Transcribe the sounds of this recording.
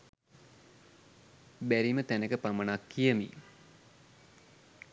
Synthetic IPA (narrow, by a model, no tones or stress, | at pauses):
bæɾimət̪ænəkəpamənakːijəmḭ